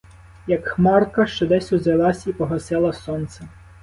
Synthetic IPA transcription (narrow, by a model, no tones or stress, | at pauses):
jɐkxmɑrkɐʃt͡ʃɔd̪ɛsʲʊzelˠɑsʲipɔɦɐsɪlˠɐsɔnt̪sɛ